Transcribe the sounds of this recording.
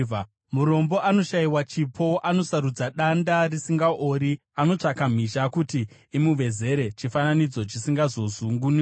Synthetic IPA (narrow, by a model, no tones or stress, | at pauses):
muɾo̞mbo̞ʔano̞ʃajiwat͡ʃipʰo̞ʔano̞saɾud͡zaɗandarisiŋɡaʔoɾi | ano̞t͡ʂakam̤iʃakutiː | muʋe̞ze̞ɾe̞t͡ʃifananid͡zo̞t͡ʃisiŋɡazo̞zuŋɡuni